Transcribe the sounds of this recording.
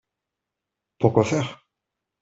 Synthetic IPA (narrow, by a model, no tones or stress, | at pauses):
puʁkwafɛːʁ